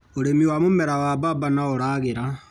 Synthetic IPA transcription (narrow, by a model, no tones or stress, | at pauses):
oɾemiwamomɛɾawababanaoɾaɣeɾa